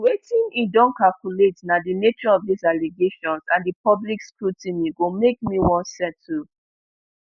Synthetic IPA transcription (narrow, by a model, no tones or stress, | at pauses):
wetĩnidɔ̃nkalkuletnadinet͡ʃɔɔvdisaleɡeʃɔ̃nsãndəpɔblikskɹutĩniɡomekmiwɔ̃nsɛ̃tʰu